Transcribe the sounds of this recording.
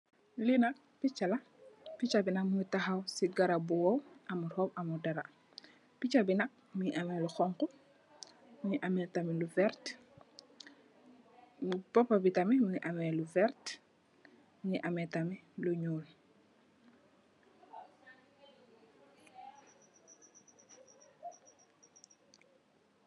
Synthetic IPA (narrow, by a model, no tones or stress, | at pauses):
linak | pit͡ʃala | pit͡ʃabinɐkmuitaxawsiɡaɾabuwowɐmuɾhopamudaɾa | pit͡ʃabinɐk̚ | muɲʔameluxɔŋku | muɲiʔamɛtamiluvɛɾt | pɔpːabitamimuniʔamɛluvɛɾt | muɲiʔamɛtamiluɲuːl